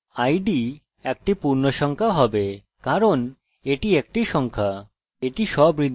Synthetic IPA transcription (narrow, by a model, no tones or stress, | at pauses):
ajɖi | ɛk̚ʈipuɾnoʃɔŋkʰaɦɔbe | kaɾon | eʈiek̚ʈiʃɔŋkʰa | eʈiʃɔbɾid̪